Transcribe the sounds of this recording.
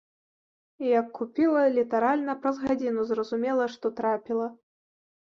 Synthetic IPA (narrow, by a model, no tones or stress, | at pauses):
ijɐkːupʲilˠɐlʲit̪aɾalʲnɐpɾɐzɣad͡zʲinuzrɐzumʲɛlˠɐʂt̪ɔt̪ɾapʲilˠɐ